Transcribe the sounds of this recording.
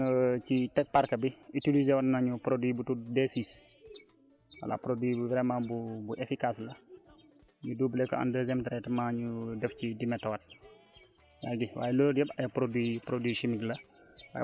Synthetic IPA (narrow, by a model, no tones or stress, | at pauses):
t͡ʃitɛk̚paɾkɐbiitilizewatnaɲupɾodwibutudesis | wɐ̰la̰pɾodwibubɾɛmabubuʔefikaslɐ | ɲudubəlɛkɔ̰a̰ndəzɛmtɾɛtɐmaɲudɛfcidimɛtːɔwɐt̚ | jaːɡiwa̰ːjɛlodjɛbɐjɐpɾodwipɾodwiʃimiklɐ | wa̰ː